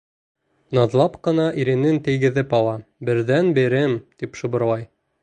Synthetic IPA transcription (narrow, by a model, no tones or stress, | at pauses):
nɑðlˠɑpqɤ̆nɑʔiɾɘ̆nɘnt̪ɘ̆jɡɘ̆ðɘpɑlˠɑbɘ̆ɾðænbĭɾɘmt̪ipʃɤ̆βɤ̆ɾlˠɑj